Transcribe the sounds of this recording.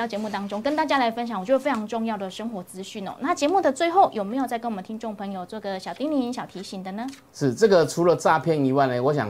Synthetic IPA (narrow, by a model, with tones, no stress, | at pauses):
ɑ˥˩ʊt͡ɕjɛ˧mu˥˩t̪ɑ˥ŋʈ͡ʂʊ˥ŋkə˥nt̪a˥˩t͡ɕja˥la˧˥ɪfə˦nɕjŋwt͡ɕo˥˧˥ʈ͡ʂʰɑ˧ŋʈ͡ʂʊ˥˧ŋjɑ˥˩ʊd̪ə˩ʂə˥ŋxwɔ˧˥t͡sɹ̩˥ɕy˥˩nɔ̰˨˩na˥˩t͡ɕjɛ˧˦mu˥˩d̪ə˨t͡swe˥˧ɪxo˥˩ʊjo˨˩me˧˥ɪjo˨˩t͡sa˥˩kə˥wɔ˨˩mə˦t̪ʰi˥nʈ͡ʂo˥˩ŋpʰɤ˧˥ŋjo˨˩ʊt͡sɔ˥˩ɡə˩ɕjɑ˨˩ʊt̪i˥ŋli˧˥˩i˧˥nɕjɑ˨˩t̪ʰi˧˥ɕi˨˩ŋd̪ə˨nə˩ | ʂɻ̩˥˩t͡sɤ˥˩ɡə˨ʈ͡ʂʰu˧˥lə˨t͡sa˥˧pʰjɛ˥˨ni˧˥wa˥˩ɪnə˨˩wɔ˧˦ɕ̬jɑ̰˨˩ŋ